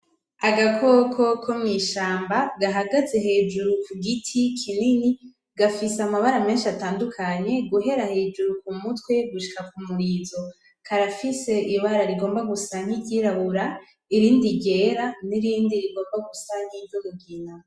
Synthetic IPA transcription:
aɡakʰokʰokʰomŋiːʃaːmbaɡaɦaɡaze̞ɦe̞ːd͡ʒuɾukuɡitʰikʰinini | ɡafisamaβaɾame̞ːnʃiataːndukʰaɲe̞ɡuɦe̞ɾahe̞ːd͡ʒuɾukumutwe̞ɡuʃi̥kakumuɾiːzo̞ | kʰaɾafise̞iβaɾaɾiɡo̞ːmbaɡusaŋ̥hiɟiɾaβuɾa | iɾiːndiɟe̞ːɾaniɾiːndiɾiɡo̞ːmbaɡusan̥hivoɡuɡina

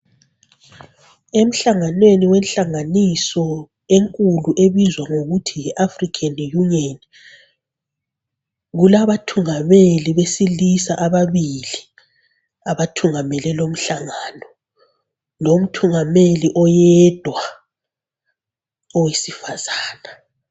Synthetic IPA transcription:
em̩ɬaŋanweniwɛnɬaŋanisɔ | eŋkʼuluʔeβizwaŋoɣutʰiɛʔafrikʰanjunɔn | ɣulaβatʰuŋameliβesilisa̰ʔaβaβili | aβatʰuŋamɛlɛlom̩ɬaŋaːnɔ | lom̩tʰuŋameliʔɔjɛd̥ʱwa | ɔwesifaz̥aːna

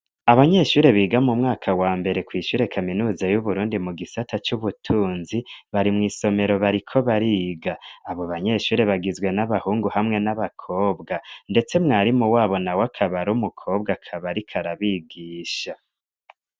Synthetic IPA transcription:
aβaɲe̞ʃuːɾe̞βiːɡamumŋaːkʰawaːmbe̞ɾe̞kwiːʃuːɾe̞kʰaminuːzajuβuɾuːndimuɡisatʰat͡ʃuβutʰuːnziβaɾimŋiːso̞me̞ɾo̞βaɾikʰo̞βaɾiːɡaːβo̞βaɲe̞ʃuːɾe̞βaɡizɡwe̞naβahuːŋɡuhamŋe̞naβakʰo̞ːbɡande̞t͡se̞mŋaːɾimuwaːβo̞nawakʰaβaɾumukʰo̞ːbɡakʰaβaɾikʰaɾaβiɡiːʃa

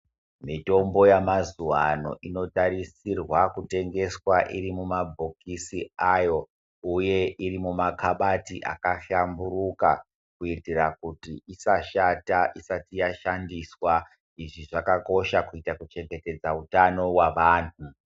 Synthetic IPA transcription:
mito̞mbo̞jamazuwano̞̰ʔino̞taɾisirwakute̞ŋɡe̞swaʔiɾimumabʱo̞kisiajo̞ | uje̞ʔiɾimumakʰaɓatiʔa̰kaʃamburuka | kuitirakutiisaʃataʔisatijaʃandiswa | iʐiʐakako̞ʃakuitakut͡ʃe̞ŋɡete̞d͡zautano̞waʋaːn̤u

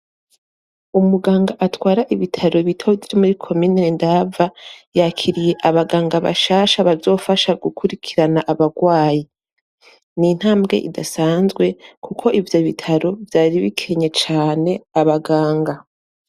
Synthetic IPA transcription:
umuɡaːŋɡaʔatwaːɾaʔiβitʰaɾo̞βitʰoviɾimuɾikʰo̞miːnendavajaːkʰiɾije̞ʔaβaɡaːŋɡaβa̰ʃaːʃaβazo̞ːfaʃaɡukʰuɾikʰiɾanaʔaβaɡwaːji | nin̥haːmbɡe̞̰ʔḭdasaːnzɡwekʰukʰo̞ʔivjo̞βitʰaɾo̞vjaːɾiβikʰe̞ɲe̞t͡ʃaːne̞aβaɡaːŋɡa

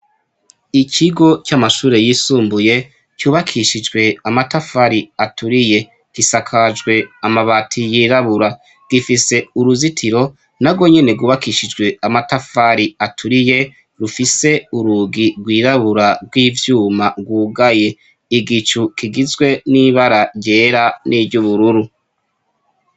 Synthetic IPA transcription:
icʰiɡo̞t͡ʃamaʃuːɾe̞jiːsuːmbuje̞ | cuːβakʰiʃid͡ʒɡwe̞amatafaɾiatʰuɾije̞ | ɡ̥isakʰad͡ʒɡwe̞amaβatʰijiːɾaβuɾa | ɡ̥ifise̞uɾuzitʰiɾo̞ | naɡwo̞ɲe̞ne̞ɡuːβakiʃid͡ʒɡwe̞amatafaɾiatʰuɾije̞ | ɾufise̞uɾuɡiɡwiːɾaβuɾaɡwiːvjuːmaɡwuːɡaje̞ | iɡit͡ʃukiɡizɡwe̞niβaɾaɾje̞ːɾanʔivɟuβuɾuɾu

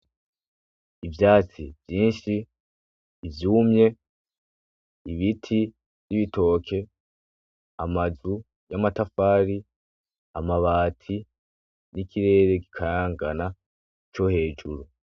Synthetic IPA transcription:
ivjaːt͡siv̥jiːnʃiː | vjuːmɲe̞ | iβitʰi | viβito̞ːkʰe̞ | amazu | jamatafaːɾi | amaβaːtʰi | nikʰiɾe̞ːɾe̞ɡi̥kʰaɾaːŋɡana | t͡ʃo̞he̞ːd͡ʒuɾu

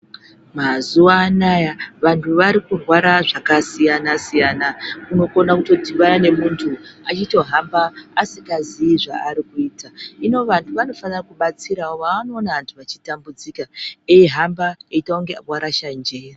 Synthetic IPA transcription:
mazuwaːnajaʋantʰuʋaɾikurwaɾaʐakasijanasijanakuno̞ko̞nakuto̞tiʋanane̞muntʰuat͡ʃito̞ɦambaːsiɡaziiʐa̰ːɾikuiːtaino̞ʋantʰuʋano̞fanirakuɓat͡siɾaoʋaano̞ːnaʋantʰuʋat͡ʃitambud͡zikaeiɦambaeitauŋɡe̞abwaɾaʃaɲd͡ʒeja

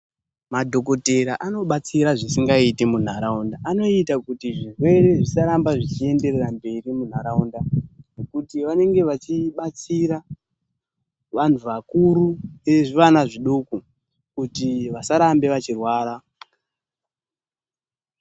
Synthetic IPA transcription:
madʱo̞k̬o̞te̞ɾaʔano̞ɓat͡siɾaʐisiŋɡaitimun̤aɾaundaʔano̞itakutiʐirwe̞ɾe̞ʐisaɾambaʐit͡ʃie̞nde̞rerambe̞ɾimun̤aɾaundane̞kutiʋane̞ŋɡe̞ʋat͡ʃiɓat͡siɾa | ʋan̤uʋakuɾuneʐiʋanaʐiɗoku | kutiʋasaɾambe̞ʋat͡ʃirwaːɾa

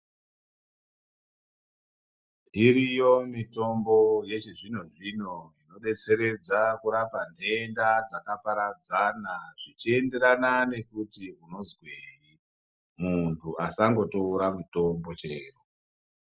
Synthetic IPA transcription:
iɾijo̞mito̞mbo̞je̞t͡ʃeʐinuʐino̞ino̞ɗe̞t͡se̞ɾe̞d͡zakuɾapande̞ndad͡zakapaɾad͡zanaʐ̥it͡ʃie̞nde̞ɾanane̞kutiuno̞zɡweji | muntʰuasaŋɡo̞toːɾamuto̞mbo̞t͡ʃe̞ːru

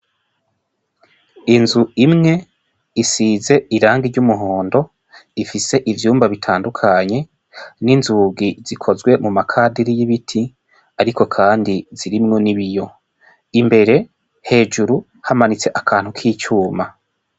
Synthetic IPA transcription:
inzuimŋe̞ | isize̞iɾaːŋɡiɾɟumuɦoːndo̞ | ifise̞ʔivjuːmbaβitʰaːndukʰaɲe̞ | ninzuːɡiz̥ikʰo̞zɡwe̞mumakʰadiɾijiβitʰi | aɾiko̞kʰaːndiz̥iɾimŋo̞niβijo̞ | imbe̞ɾe̞ | he̞ːd͡ʒuɾu | hamanit͡se̞ʔakʰaːn̥hukʰiːt͡ʃuːma

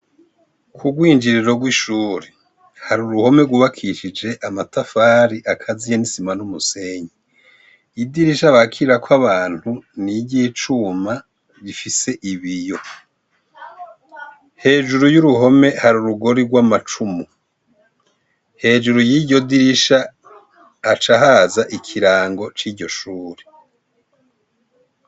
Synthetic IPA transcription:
kʰuɡwiːnd͡ʒiɾiɾo̞ɡwiʃuːɾe | haɾuɾuho̞me̞ɡuβakʰiʃid͡ʒe̞ʔamatafaːɾiʔakʰazijenisimanumuse̞ɲi | idiɾiʃaβakʰiɾiɾakʰwaβaːn̥huniɟiːt͡ʃuma | ɟifise̞ʔiβijo̞ | he̞ːʒuɾujuɾuɦo̞me̞haɾuɾuɡo̞ɾiɡwamat͡ʃumu | he̞ːd͡ʒuɾujiɟo̞diɾiʃaː | t͡ʃaɦazaʔikʰiɾaːŋɡo̞t͡ʃiːɟo̞ʃuːɾi̥

